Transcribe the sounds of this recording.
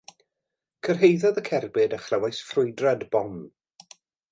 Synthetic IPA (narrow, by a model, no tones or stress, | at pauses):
kʰərɦejðɔðəkʰɛrbɪdəχlɛwajsfrʊɨdradbɔm